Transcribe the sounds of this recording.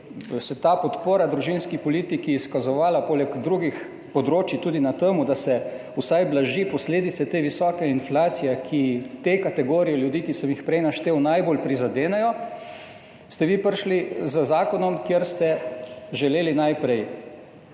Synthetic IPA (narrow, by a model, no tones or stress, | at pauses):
sɛt̪apɔt̪poːɾad̪ɾuʒinskipɔliːt̪ikiːskazɔʋaːlapoːlɛɡd̪ɾuːɡix | pɔd̪ɾoːt͡ʃit̪uːd̪inat̪əmud̪asɛ | usajblaʒipɔsleːd̪it̪sɛt̪eːʋisɔːkɛinflaːt̪sijɛkʰit̪ekat̪ɛɡoːɾijɛljud̪iːkisəmjixpɾɛjnaʃt̪eːwnajbolpɾizad̪eːnɛjɔ | st̪ɛʋiːpəɾʃlizəzaːkɔnɔmkjeɾst̪ɛʒɛleːlinajpɾɛj